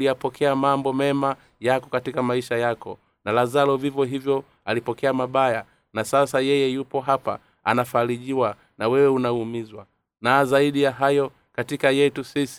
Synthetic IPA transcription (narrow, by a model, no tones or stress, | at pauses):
lijapɔkʰɛamambɔmɛma | jakɔkatikamaiʃajakɔ̰ | nalazalɔvivjɔɦivjɔ | alipɔkɛamaɓaja | nasasajɛjɛjupɔɦapa̰ | a̰nafaɾiʄiwa | nawɛwɛunaumizwa | naːzaiɗijaɦajɔ | katikajɛtusisi̥